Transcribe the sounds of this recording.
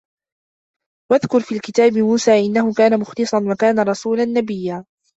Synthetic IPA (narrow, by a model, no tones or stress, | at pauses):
waðkʊɾfiːlkɪt̪aːbɪmuːsaːʔɪnːahʊkaːnamʊxlɨsˤɑnwakaːnaɾˤɑsuːlanːabɪjːaː